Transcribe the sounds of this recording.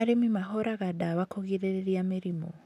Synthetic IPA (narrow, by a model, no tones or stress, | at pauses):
aɾemimaɦɔɾaɣadawakoɣiɾeeɾiameɾimɔ